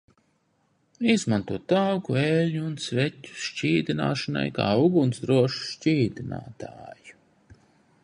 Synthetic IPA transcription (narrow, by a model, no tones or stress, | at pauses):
izmant̪uɔt̪awkueːlɲuːnsvɛtʲːu̥ʃt͡ʃiːd̪ina̰ːʃɐna̰jka̰ːuɡunsd̪ɾuɔʃu̥ʃt͡ʃiːd̪ina̰ːt̪a̰ːju